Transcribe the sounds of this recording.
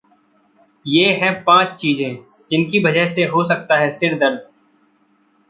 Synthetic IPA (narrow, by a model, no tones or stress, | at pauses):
jeːɦɛ̃pãːt͡ʃt͡ʃiːzẽː | d͡ʒɪnkibɐd͡ʒəɦseɦosɐk̚t̪aɦɛsɪɾd̪ɐɾd̪̚